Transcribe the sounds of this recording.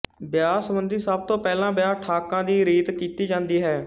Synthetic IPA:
bjaːsəbənd̪iːsəb̚t̪õːpɛːlãːbjaːʈʰaːkãːd̪iːɾiːt̪kiːt̪iːd͡ʒãːnd̪iːɦɛː

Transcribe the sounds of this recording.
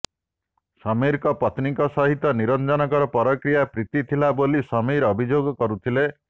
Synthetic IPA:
sɔmiɾkɔpɔt̪nikɔsɔɦit̪ɔniɾɔnd͡ʒɔnɔkɔɾɔpɔɾɔkɾijapɾit̪it̪ʰilabolisɔmiɾɔbʱid͡ʒoɡɔkɔɾut̪ʰile

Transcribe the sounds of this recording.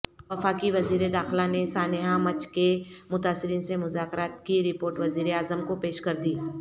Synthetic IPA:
ʋɐfaːkiʋɐziːɾed̪aːxɪlanesaːnɪɦamɐt͡ʃkemʊt̪aːsːɪɾiːnsemʊzaːkɾaːt̪kiɾɪpoːɾʈʋɐziːɾeaːzəmkopeːʃkɐɾd̪iː

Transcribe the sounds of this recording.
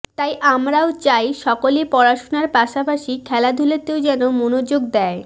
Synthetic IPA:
t̪ajʔamɾaot͡ɕajʃɔkolepɔɾaʃonaɾpaʃapaʃikʰɛlad̪ʱulet̪eod͡ʑɛnomonod͡ʑoɡ̚d̪ɛe

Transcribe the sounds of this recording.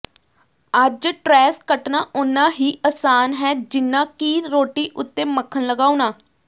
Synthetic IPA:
əd͡ʒʈɾɛːskəʈnaːʔʊnːãːɦiːʔaːsaːnɦɛːd͡ʒɪnːãːkiːɾoːʈiːʔʊt̪ːeːməkʰːənləɡaːuːnaː

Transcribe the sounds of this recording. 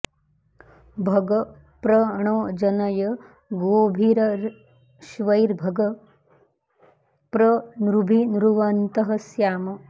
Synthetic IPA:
bʱɐɡɐ | pɾɐɐɳoːd͡ʒɐnɐjɐ | ɡoːbʱiɾɐɾ | ʃʋɐjɾbʱɐɡɐ | pɾɐnɾubʱinɾuʋɐnt̪ɐɦɐsjaːmɐ

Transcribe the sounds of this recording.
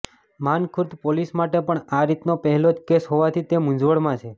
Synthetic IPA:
mankʰʊɾt̪polismaʈepəɳaɾit̪nopəɦɛlod͡ʒkesɦoʋat̪ʰit̪emʊ̃ɲd͡ʒʋəɭmãt͡ʃʰe

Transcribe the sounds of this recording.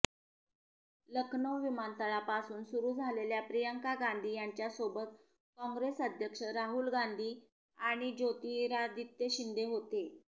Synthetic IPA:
ləkʰnəʋʋimant̪əɭapasuːnsuɾuːd͡zʱaleljapɾijəŋkaɡand̪ʱiːjaɲt͡ɕjasobət̪̚ | kɔ̃ŋɡɾesəd̪ʱjəkʂəɾaɦuːlɡand̪ʱiː | aɽ̃id͡ʑot̪iɾad̪it̪jəɕind̪eɦot̪e

